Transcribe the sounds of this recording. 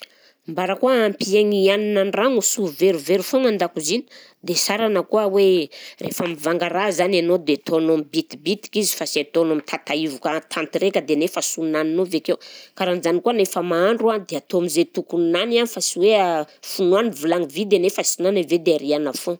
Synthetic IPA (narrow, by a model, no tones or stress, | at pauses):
mbaɾəkuaampieŋianinanraŋusuveɾuveɾufoŋand̪akuzini̥ | d̪esaɾanəkuəwerḛfamivaŋɡaɾazananod̪et̪ʰonombit̪ibit̪i̥kizi̥faset̪onomit̪ʰat̪aivukət̪ʰant̪iɾekʲəd̪enefasunaninovekewkaɾanizanikuənefəmaaɳɖ͡ʐuad̪eat̪oamizet̪ukunananifasiweafunuanivulaŋivid̪enefasunanaved̪eaɾianafo